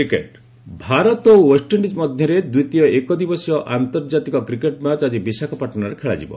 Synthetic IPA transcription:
ikeʈ | bʱaɾɔt̪ɔowesʈeɳɖit͡ʃmɔd̪ʱjɔɾed̪ujt̪ijɔekɔd̪ibɔsiɔʔant̪ɔɾd͡ʒat̪ikɔkɾikeʈmat͡ʃad͡ʒibisakʰɔpaʈɔnaɾekʰeɭa̰d͡ʒibɔ̰

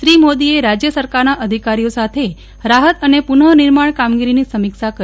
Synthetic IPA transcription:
ʃɾimod̪ieɾad͡ʒjəsəɾkaɾnaʔəd̪ʱikaɾijosat̪ʰe | ɾaɦət̪ənepunəniɾmaɳ̃kamɡiɾinisəmikʃakə

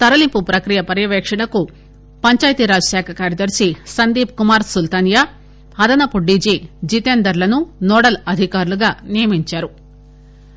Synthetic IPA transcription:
t̪ɐɾɐlimpupɾɐkɾijɐpɐɾjɐʋɛːkʂɐɳɐku | pɐɲt͡ʃaːjt̪iɾaːd͡ʒɐsaːkʰɐkaːɾjɐd̪ɐɾsisɐnd̪iːp̚kumaːɾsult̪ɐnjaː | ɐd̪ɐnɐpuɖid͡ʒid͡ʒit̪eːnd̪ɐɾlɐnunɔːɽɐlɐd̪ʱikaːɾuluɡaːnijɐmiɲt͡ʃaːɾu

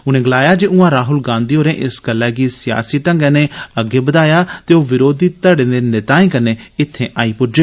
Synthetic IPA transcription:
ʊnẽːɡəlaːjaːd͡ʒeːũːãːɾaːɦʊlɡãːnd̪iːɦoːɾẽːʔɪsɡəlːɛːɡiːsɪja̰ːsiːʈəŋɡɛ̃ːneːəɡeːbəd̪aːjaːt̪eːoːʋɪɾoːd̪iːt̪əɽẽːd̪eːnɪt̪aːĩːkəneːɪt̪ʰːẽːʔaːiːpʊɾd͡ʒeː

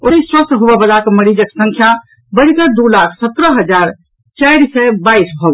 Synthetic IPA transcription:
oniswəst̪ɦobɛbəlakeməɾid͡ʒəksə̃ŋkʰja | bəɽikəd̪ulakʰsət̪ɾəɦəd͡ʒaɾ | t͡ʃajɾsɛbaisbʱɔɡ

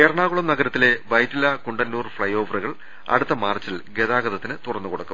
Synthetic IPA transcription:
eːrɐɳaːɣuɭɐmnɐɡɐɾɐt̪ːile̞ʋɐjtilɐkuɳɖɐnːuːrfɭɐjo̞ːʋɐruɣɐɭ | ɐ̰ɽut̪ːɐmaːrt͡ɕːilɡe̞ðaːɡɐðɐt̪ːinɨt̪urɐnːukoɽɐkːum

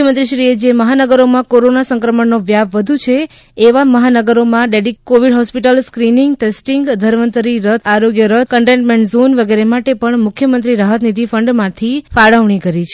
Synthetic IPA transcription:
əmənt̪ɾiʃɾied͡ʒeməɦanəɡəɾomãkoɾonasə̃ŋkɾəməɳːoʋjaʋʋəd̪ʱut͡ʃʰeː | ʋaməɦanəɡəɾomãɖeɖikːoʋiɖɦɔspiʈəlskɾiniŋɡʈesʈiŋɡd̪ʱəɾʋənt̪əɾiɾət̪ʰaɾoɡjəɾət̪̚ʰkəɳʈẽɳʈmẽɳʈzonʋəɡeɾemaʈepəɳmʊkʰjəmənt̪ɾiɾaɦət̪nid̪ʱifəɳɖmãt̪ʰifaɽəʋɳikəɾit͡ʃʰ

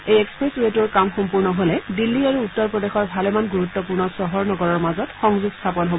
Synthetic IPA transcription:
ejekspɹesɹetuɹkamxɔmpuɹnɔɦolɛdilːiaɹuːtːɔɹpɹɔdexɔɹbʱalɛmanɡuɹutːɔp̬uɹnɔsɔɦɔɹnɔɡɔɹɔɹmazɔtxɔŋzuɡstʰapɔnɦob

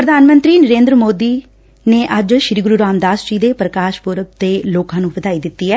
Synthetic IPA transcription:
pɾəd̪ʱaːnmə̃nt̪ɾiːnəɾeːnd̪ɾəmoːd̪iː | neːʔəd͡ʒʃɾiːɡʊɾuːɾaːmd̪aːsd͡ʒiːd̪eːpɾəkaːʃpʊɾəb̚t̪eːloːkãːnũːbəd̪aːiːd̪ɪt̪ːiːɛː

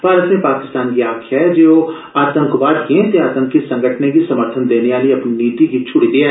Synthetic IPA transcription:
bʱaːɾət̪nẽpaːkɪ̥st̪aːnkiaːkʰjaɛd͡ʒoo | aːt̪ə̃ŋkʊbaːt̪kiẽt̪eaːt̪ə̃ŋkːisɐ̃ŋɡʱəʈʰnekisɐməɾt̪ʰənd̪eːneaːliɐpniniːt̪ikit͡ʃʰʊɽid̪ia

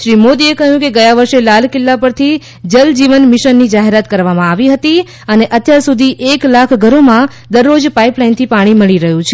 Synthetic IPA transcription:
ʃɾimod̪iekəɦjũkeɡəjaʋəɾʃelal̤kɪlːapəɾt̪ʰi | d͡ʒəld͡ʒiʋənmɪʃənːid͡ʒaɦeɾat̪kəɾʋamãaʋiɦət̪i | əneʔət̪jaɾsud̪ʱiʔeklakʰɡʱəɾomã | d̪əɾːod͡ʒpaiplaint̪ʰipaɽ̃iməɭiɾəɦũt͡ʃʰe

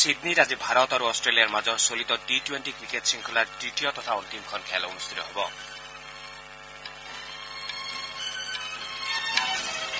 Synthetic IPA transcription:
sid̪niɾad͡ʒibʱaɾɔt̪aɾuɔsʈɾelijaɾmad͡ʒɔsolit̪ɔʈiʈweɳʈikɾikeʈsiŋkʰulaɾʈɾiʈijɔt̪ɔt̪ʰaunt̪imkʰɔnkʰɛlunust̪ʰit̪ɔɦebɔ

